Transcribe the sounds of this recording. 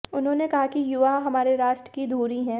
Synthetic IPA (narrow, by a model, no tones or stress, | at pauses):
ʊnɦõːnekɐɦakijʊʋaɦɐmaːɾeɾaːʃʈɾə̥kid̪ʱuːɾiɦɛ̃ː